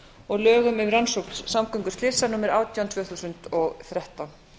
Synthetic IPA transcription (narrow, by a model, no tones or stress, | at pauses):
ɔɣlœːɣʏmʏvransowpsːamkœŋkʏ̥ɾ̥stlɪsanuːmɪɾaːwt̪jawnt̪vœːθusʏnt̪ɔɣθɾɛht̪an